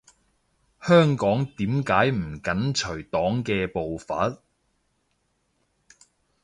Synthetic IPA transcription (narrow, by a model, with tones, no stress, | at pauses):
hœː˥ŋkɔː˨˥ŋt̪iː˨˥mkaː˨˥jm̩˨˩kɐ˨˥nt͡ʃʰɵ˨˩ɥt̪ɔː˨˥ŋkɛː˧po˨wfɐ̰˨˥t̚